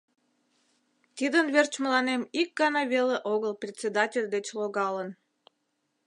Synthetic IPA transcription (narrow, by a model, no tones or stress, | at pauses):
t̪id̪ənvert͡ɕməlɑnemik̚ɡɑnɑveleʔoɣəlprʲet͡sʲed̪ɑtʲelʲd̪et͡ɕloɣɑlən